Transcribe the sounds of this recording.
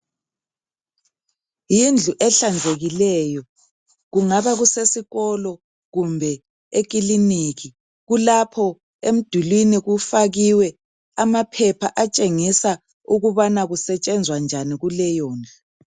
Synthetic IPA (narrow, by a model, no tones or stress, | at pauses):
jind͡ɮʱuʔɛɬand͡zʱeɣilɛjɔ | ɣuŋaβaɣusesiɣɔlɔ | ɣumbʱɛ | ek̬ʼiliniɣi | ɣulapʰɔ | em̩d̥ʱulwiniɣufaɣiwɛ | amapʰɛpʰaʔat͡ʃʼeŋisa | uɣuβanaɣusɛt͡ʃʼɛnd͡zʱwand͡ʒʱaniɣulɛjɔːna